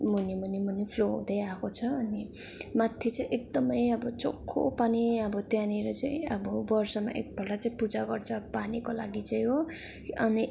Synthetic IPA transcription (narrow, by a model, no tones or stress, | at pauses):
munimunimunipʰloɦṵ̃d̪ʌjakot͡sʰʌːni | mat̪ʰjet͡saĩʔek̚d̪ʌmʌjʌbʌt͡so̰kʰːo̰paniʌbʌt̪janiɾʌt͡saĩʌbʌbʌrsʌma̰ʔḛk̚bʱʌʈat͡saĩpud͡zaɡʌrt͡sʰʌpanikola̰ɡit͡sʌĩɦo | ʌni